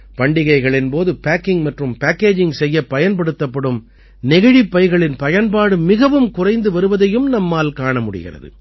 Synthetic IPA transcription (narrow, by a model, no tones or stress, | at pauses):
pɐɳɖɪɣɐɪɣɐɭɪnpoːðɯpaːkːɪŋmɐʈrɯmpaːkːeːd͡ʒɪŋsɛjːɐpːɐjɐnpɐɽɯt̪ːɐpːɐɽɯm | nɪɣɐɻipːɐɪɣɐɭɪnpɐjɐnpaːɽɯmɪɣɐʋɯmkʊrɐɪnd̪ɯʋɐɾɯʋɐðɐjɯmnɐmːaːlkaːɳɐmʊɽɪ̰ɣɪ̰rɐ̰ðɯ̰